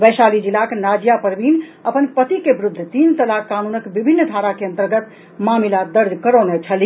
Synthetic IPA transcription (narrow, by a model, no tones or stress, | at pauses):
bəjsalid͡ʒilaknad͡ʒijapəɾbinəpənpət̪ikebɾud̪ʱːt̪int̪əlakːanunəkbibʱinːəd̪ʱaɾakeə̃nt̪əɾɡət̪ | mamilad̪əɾd̪ʱkəɾənet͡ʃʰəli